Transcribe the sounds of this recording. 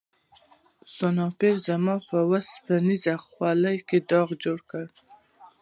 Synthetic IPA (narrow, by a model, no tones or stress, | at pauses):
sonɑpeɾzamɑpəwaspanizaxwɑləjked̪ɑɣd͡ʒoɽkəɽ